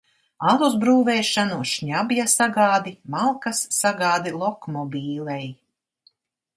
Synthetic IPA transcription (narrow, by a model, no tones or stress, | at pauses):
alˠuzbɾuːvɛːʃanuʃɲabjasaɡaːd̪imalˠkasːaɡaːd̪ilˠɔkmɔbʲiːlʲˠɛj